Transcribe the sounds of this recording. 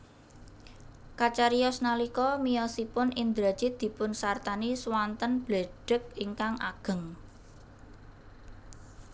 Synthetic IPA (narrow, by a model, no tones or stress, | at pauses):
kat͡ʃaɾiɔsnalikɔmijɔsipʊnʔind̪ɾḁd͡ʒ̥id̪̥i̤pʊnsart̪aniswant̪ənb̥leɖ̥ə̤k̚iŋkaŋʔa̰ɡ̥ə̤ŋ